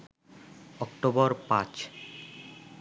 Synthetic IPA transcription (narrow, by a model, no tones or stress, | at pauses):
ɔkʈobɔɾpãt͡ɕ